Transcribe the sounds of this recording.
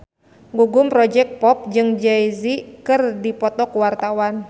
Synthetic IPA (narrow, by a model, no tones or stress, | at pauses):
ŋɡuɡumpɾɔd͡ʒɛk̚t̪̚pɔp̚d͡ʒɨŋd͡ʒɛizikɨrdipɔt̪ɔkuwart̪awan